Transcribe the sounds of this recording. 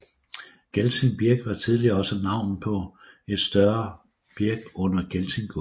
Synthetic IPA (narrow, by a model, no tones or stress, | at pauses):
ɡ̥elt͡sʰinb̥iɐɡ̥ʋɑ̈t͡sʰið̞ˠliɐɒ̽sənɑ̈ʊ̰npʰɒ̽ | e̝d̥sd̥ɶɐ | b̥iɐɡ̥ɔ̽n̰ɐɡ̥elsʰinɡ̥ʰo